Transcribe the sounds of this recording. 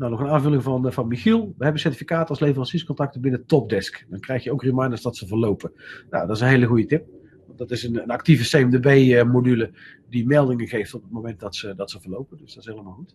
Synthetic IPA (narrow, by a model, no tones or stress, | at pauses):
nawnɔχənaːnvɵlɪŋvɑnvɑnmixilˠʋəɦɛbənsɛɹtifikaːtɑlˠslevərɑnsiskɔntɑk̚təbɪnətɔp̚dɛskdɑŋkrɛjxjəowkrimɑjndəsdɑtsəvəɹlowpəna̰wdɑtɪsənɦejləɣujətɪp̚ | ʋɑndɑtɪsənənɑk̚tivəsejəmdəbejəmodylə | dimɛlˠdɪŋəɣejftɔpət̚mowmɛnt̚dɑtsədɑtsəvəɹlowpədɵsdɑtɪsɦejləmaːlˠxut